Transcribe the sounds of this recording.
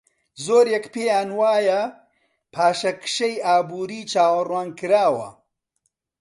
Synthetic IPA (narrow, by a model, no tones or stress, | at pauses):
zoːɾjɐkpeːjaːnwaːjɐ | pʰaːʃɐkʃejaːbuːɾiːt͡ʃaːwɐrwaːnkɨɾaːwɐ̰